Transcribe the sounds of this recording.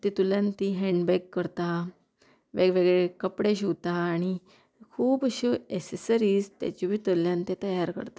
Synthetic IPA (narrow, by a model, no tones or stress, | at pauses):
t̪it̪uljãnt̪iɦɛ̃ɳɖbɛkːəɾt̪a | ʋeʋeɡɭekəpɽeɕ̬iwt̪aːɽ̃i | kʰuːbəɕoesesəɾiːzt̪ja̰t͡ɕibʱiːt̪əljãnt̪ẽt̪əjaɾkə̰ɾt̪a